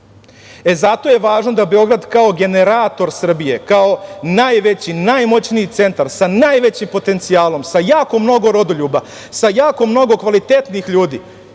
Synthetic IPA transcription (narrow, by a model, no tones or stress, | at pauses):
e̞zat̪o̞je̞ʋaːʒnod̪abe̞o̞ɡɾad̪kao̞ɡe̞ne̞ɾat̪o̞ɾsr̩bije̞kao̞najʋe̞t͡ɕinajmo̞t͡ɕniit̪se̞nt̪aɾsanajʋe̞t͡ɕimpo̞t̪e̞nt̪sijaːlo̞msajaːko̞mno̞ɡo̞ɾo̞d̪o̞ʎuːba | sajaːko̞mno̞ɡo̞kʋalit̪et̪niixʎuːd̪ḭː